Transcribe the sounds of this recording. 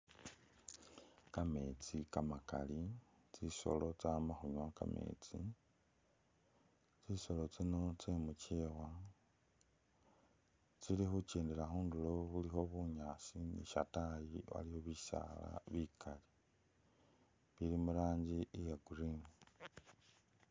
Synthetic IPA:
kame̞t͡sikamaka̰li | t͡siso̞̰lo̞t͡samaxuɲwaka̰mḛt͡sḭ | t͡siso̞lo̞t͡sino̞t͡semucewa | t͡silixut͡ʃeːndeɾaxuːnduloβulixo̞βuɲaːsinḭʃa̰tajiβa̰lihoβisa̰la̰βikʰali | βilimuɾaːɲɟiijaɡuɾiːmi

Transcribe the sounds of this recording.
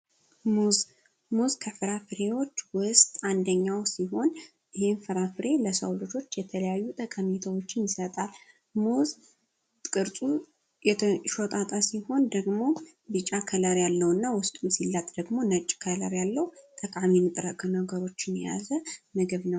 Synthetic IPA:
m | muzkʰəfɨɾafɨɾe̞wo̞t͡ʃːwʊst̪ʼand̪əɲːawsiɦo̞n | ɪhe̞nfɨɾafɨɾe̞ləsəwlɨd͡ʒo̞t͡ʃːjɛt̪ʰələjajːut̪ʼəkʼamit̪ʰəwot͡ʃːɪnjɪsət̪ʼal | muz | kʼɨɾt̪ʼu | jɛʃot̪ʼat̪ʼasiho̞nd̪əɡmo̞ | bɨt͡ʃʼakʰələɾjalːəwɨnːawʊst̪ʼmɨsilːat̪ʼd̪əɡmo̞nət͡ʃʼːkʰələ̰ɾjalːəwt̪ʼəkʼaminɨt̪ʼɾəkʼːənəɡəɾo̞t͡ʃːɪnɛ̰ja̰zəmɨɡɨβnəw

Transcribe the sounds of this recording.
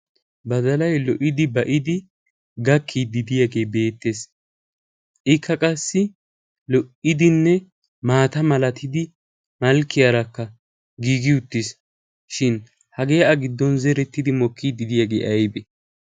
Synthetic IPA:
bɐd̪ɐlɐjlɔʔɪd̪ɪbɐʔɪd̪ɪ | ɡɐkʰːid̪ɪd̪ɪjaɡe̞ːjbe̞ːt̪ːe̞s | ʔɪkʰːɐkʼɐsːɪ | lɔʔɪd̪ɪnːɛ | maːt̪ɐmɐlɐt̪ʰɪd̪ɪ | mɐlkːɪjɐɾɐkːɐ | ɡiːɡɪʊt̪ːɪs | ʃɪn | hɐɡejʔɐɡɪd̪ːɔnzɛɾɛt̪ːɪd̪ɪmɔkːiːd̪ɪd̪ɪjaɡe̞ːʔɐjbɛ

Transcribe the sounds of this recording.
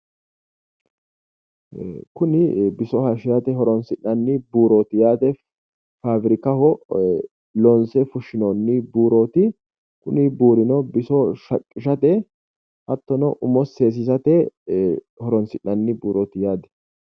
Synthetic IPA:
kʊnɪbɪsɔhɐʃɪjɐt̪ɛɦɔɾɔnsɪnːɐnːɪbuːɾoːt̪ɪjaːd̪ɛ | faːbɾɪkɐhɔ | lɔnsɛfʊʃɪnɔnːɪbuːɾoːt̪ɪ | kʊnɪbuːɾɪnɔbɪsɔʃɐkʼːɪʃɐt̪ɛ | hɐt̪ːɔnɔʔʊmɔseːs̬ɪsɐt̪ɛ | hɔɾɔnsɪnːɐnːɪbuːɾoːt̪ɪjaːd̪ɛ̥

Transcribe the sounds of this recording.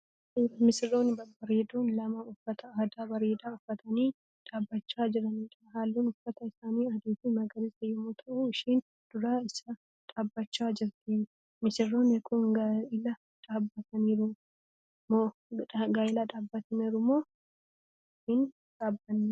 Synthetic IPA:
emɪsɪrːoːnɪbɐbɐɾeːd̪uːnlɐmɐʊfːɐt̪ɐaːd̪aːbɐɾeːd̪aːʊfːɐt̪ʰɐniː | ᶑaːbːɐt͡ʃːaːd͡ʒɪɾɐniːᶑɐɦaːlːuːnʊfːɐt̪ɐɪsaːniːɐd̪iːt̪imɐɡɐɾɪsɐjɪmoːt̪ʰɐʔuɪʃiːn | d̪̥ʊɾaːɪsɐ | ᶑʼaːbːɐt͡ʃːaːd͡ʒɪɾt̪ɪ | mɪsɪrːoːnɪkʰʊnɡaʔɪlɐ | ᶑaːbːɐt̪ɐniːɾʊ | moːɡaːɪlaːᶑaːbːɐt̪ɐniːɾʊmoː | ʃiːn | ᶑaːbːɐnːɛ

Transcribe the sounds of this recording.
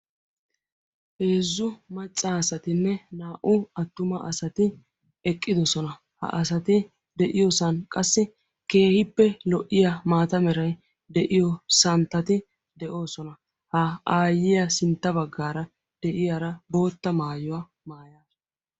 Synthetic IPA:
ʔeːzːʊmɐt͡ʃʼːaɐsɐt̪ɪnːɛnaːʔʊɐt̪ːʊmɐʔɐsɐt̪ɪ | ɛkʼːɪd̪ɔsɔnɐ | hɐ̰ʔɐs̬ɐt̪ɪ | d̪ɛʔɪjɔsɐnkʼɐsːɪ | ke̞ːhɪpːɛlɔʔːɪjɐmaːt̪ɐmɛɾɐj | d̪ɛʔɪjɔsɐnt̪ːɐt̪ɪ | d̪ɛʔo̞ːsɔnɐ | hɐaːjːɪjɐsɪnt̪ːɐbɐɡːaːɾɐ | d̪̥ɛʔɪjaɾɐbo̞ːt̪ːɐmaːjɔwa | maːjaːsɔ

